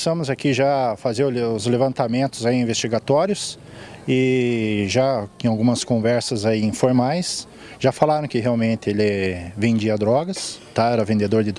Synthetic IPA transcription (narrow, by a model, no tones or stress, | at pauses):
sɐ̃mʊzakiʒafazeɾʊʊzlevɐ̃nt̪amẽnt̪ʊzaĩĩvest͡ʃiɡat̪ɔɾjʊs | ɪ | ʒaẽj̃awɡũmɐskõvɛɾsɐzaiĩfoɾmajs | ʒafalaɾɐ̃kɪɦeawmẽnt̪ɪelɪvẽnd͡ʒiɐd̪ɾɔɡɐst̪aɛɾɐvẽnd̪ed̪oɾd̪ɪd̪